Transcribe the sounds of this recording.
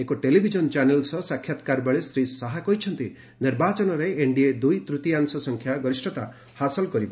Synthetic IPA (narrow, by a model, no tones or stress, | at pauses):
ekoʈelibʱid͡ʒɔnt͡ʃanelsɔsakʰːjat̪kaɾbeɭesɾisaɦakɔɦit͡ʃʰɔnt̪i | niɾbat͡ʃɔnɔɾeeɳɖied̪ujt̪ɾut̪iansɔsɔŋkʰjaɡɔɾisʈɔt̪a | hasɔlkɔɾibɔ